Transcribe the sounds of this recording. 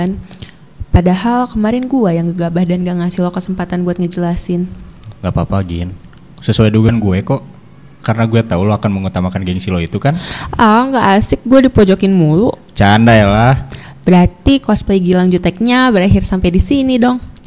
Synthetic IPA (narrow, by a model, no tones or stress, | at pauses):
n | padaɦalkəmaɾɪnɡuajaŋɡəɡabahdanɡaŋasɪlwakəsəmpat̪anbuat̪̚ŋəd͡ʒəlasɪnɡapapaɡɪ̰n | səsuajduɡanɡuɛkɔʔ | kaɾənaɡuat̪auloakanməŋut̪amakanɡɛŋsiloit̪ukanʔaŋɡaʔːsɪk̚ɡuadipɔd͡ʒokɪnmuluʔ | t͡ʃandajalahbəɾart̪ikɔsplejɡilaŋd͡ʒut̪ɛk̚ɲabəɾaɦɪrsampajdisinidɔŋ